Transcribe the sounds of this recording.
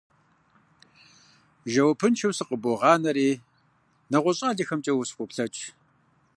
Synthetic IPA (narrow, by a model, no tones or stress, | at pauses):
ʒɐwɐpʰɨnt͡ʃʰɐwsɨqəboʁɑːnɐɾeː | nɐʁʷʊɕʼaːɮɐxɐmt͡ʃʼɐwʊsqʷʼʊpɬɐt͡ʃʼ